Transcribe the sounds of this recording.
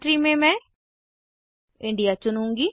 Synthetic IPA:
ʈɾiːmẽːmɛ̃ː | ɪ̃ɳɖijaːt͡ʃʊnũːŋɡiː

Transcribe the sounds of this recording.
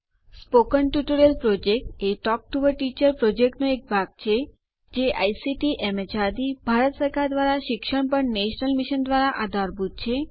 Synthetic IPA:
spokənʈuʈoɾelpɾod͡ʒek̚ʈeʈɔk̚ʈuʋəɾʈit͡ʃəɾpɾod͡ʒekʈnoek̚bʱaɡ̚t͡ʃʰe | d͡ʒeʔajsiʈiʔɛmet͡ʃad̪ibʱaɾət̪səɾkʰaɾd̪ʋaɾaʃikʃəɽ̃pəɳneʃnəlmiʃənd̪ʋaɾaʔad̪ʱaɾbʱut̪̚t͡ʃʰe

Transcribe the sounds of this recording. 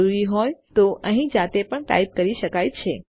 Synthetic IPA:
uɾiɦɔjt̪oʔəɦĩd͡ʒat̪epəɳʈa̰ip̚kəɾiʃəkajt͡ʃʰe

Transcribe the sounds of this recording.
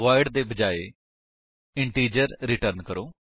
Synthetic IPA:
ʋaːɪɖd̪eːbəd͡ʒaːeː | ɪɳʈiːd͡ʒəɾɾiʈəɾnkəɾoː

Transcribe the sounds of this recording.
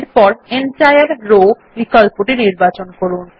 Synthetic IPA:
ɾpɔɾenʈajaɾɾo | mikalpuʈiniɾbat͡ɕonkoɾun

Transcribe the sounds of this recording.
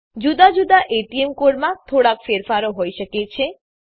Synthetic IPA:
d͡ʒud̪ad͡ʒud̪aʔeʈiemkoɽmat̪ʰoɽakfeɾfaɾoɦojʃəket͡ʃʰe

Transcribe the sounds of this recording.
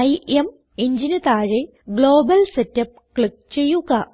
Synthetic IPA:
ɐjʔem | iɲd͡ʑinɐt̪aːɻe | ɡɭoːbɐlsetːɐp̚kɭik̚t͡ɕe̞jːuɣɐ

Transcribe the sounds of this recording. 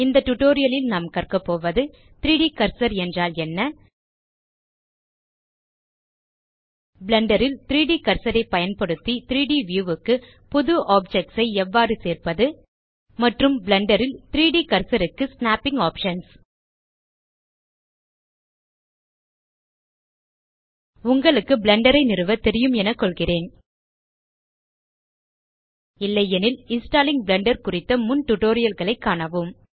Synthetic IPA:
ɪnd̪ɐʈʊʈːoːɾɪjɐlɪlnaːmkɐrkɐpːoːʋɐðɯ | t̪ɪɾiːɽikɐɾsɐɾɛndraːlɛnːɐ | blɐɳɖɐɾɪlt̪ɪɾiːɽikɐɾsɐɾɐɪpːɐjɐnpɐɽɯt̪ːit̪ɪɾiːɽiʋjuːʋɯkːɯ | pɔðɯʔaːp̚d͡ʒɛk̚ʈsɐɪɛʋːaːɾɯseːrpɐðɯ | mɐʈrɯmblɐɳɖɐɾɪlt̪ɪɾiːɽikɐɾsɐɾɯkːɯsnaːpːɪŋɡaːpʂɐns | ʊŋɡɐɭɯkːɯbɭɐɳɖɐɾɐɪnɪrɯʋɐt̪ɛɾɪjɯmɛnɐkːɔɭɣɪreːn | ɪlːɐjɛnɪlɪnsʈaːlɪŋbɭɐɳɖɐɾkʊrɪt̪ːɐmʊnʈʊʈoːɾɪjɐlɣɐɭɐɪkːaːɳɐʋɯm

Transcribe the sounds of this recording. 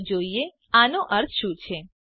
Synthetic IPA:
d͡ʒoie | anoʔəɾt̪ʰʃũt͡ʃʰe

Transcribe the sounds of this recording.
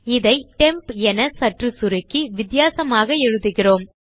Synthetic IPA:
ɪðɐɪʈɛmpɛnɐsɐʈrɯsʊɾɪkːɯʋɪd̪jaːsɐmaːɣɐɛɻɯðɯɣɪroːm

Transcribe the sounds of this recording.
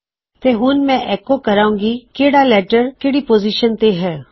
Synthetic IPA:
t̪eɦuːnmɛ̃ʔɛːkokɐɾaːũːŋɡikeːɽalɛːʈəɾkɪɽipoːziʃənt̪eɦɛː

